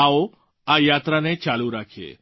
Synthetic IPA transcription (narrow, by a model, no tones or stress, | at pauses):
ao | ajat̪ɾanet͡ʃaluɾakʰḛ